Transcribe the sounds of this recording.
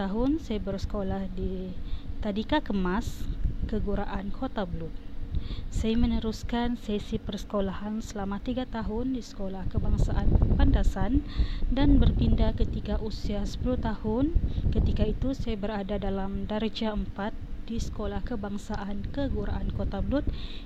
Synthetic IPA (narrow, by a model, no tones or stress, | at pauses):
aɦʊnsajabərsə̥kolahdit̪adikakəmaskəɡuɾaʔankʰot̪abluk̚ | sajamə̃nəɾuskansesipərsə̥kolahansəlamãt̪iɡat̪aɦʊndisə̥kolahkəbaŋsaʔanpandasandanbərpindakət̪ikaʔusiasə̥puluht̪ahʊnkət̪ikait̪usajabəɾadadalamdaɾd͡ʒaəmpat̪̚d̥isə̥kolahkəbaŋsaʔankəɡuɾa̰ʔankot̪ablut̪̚